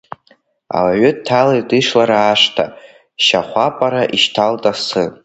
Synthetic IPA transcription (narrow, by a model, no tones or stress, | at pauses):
a̰waɥʏttʰːalaidɨʂlaɾaːʂtʰa̰ | ʃa̰χʷapʼaɾaʔiʃtʰaltʼasɨ